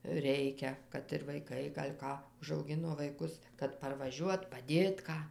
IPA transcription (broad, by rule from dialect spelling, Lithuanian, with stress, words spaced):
ˈrʲɛɪkʲɛ kɐt ɪr ʋɐɪˈkɐɪ ɡɐlʲ ˈkɑː ʊʒɐʊˈɡʲɪnoː ʋɐɪˈkʊs kɐt pɐrʋɐˈʒʲuɔt pɐˈdʲeːt ˈkɑː